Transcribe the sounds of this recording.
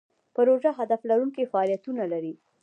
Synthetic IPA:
pəɾoʒaɦad̪aflaɾuŋkefaɑlijat̪unalaɾi

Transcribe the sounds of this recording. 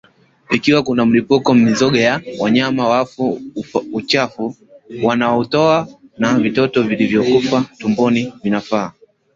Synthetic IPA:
ikiwakunam̩lipukɔm̩mizɔɠajawaɲamawafuut͡ʃafu | wanaɔtɔanavitɔtɔvilivjɔkufatumbɔnivinafaː

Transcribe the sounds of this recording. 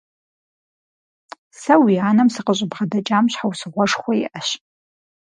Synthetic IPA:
sɐwiaːnɐmsɨqəɕʼɪbʁɐdɐt͡ʃʼaːmɕħawsɨʁʷɔʂχʷɔjiʔɐɕ

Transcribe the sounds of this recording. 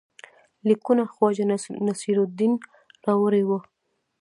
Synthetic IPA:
likunaxwɑd͡ʒanasiɾod̪in | ɾɑwəɾewə

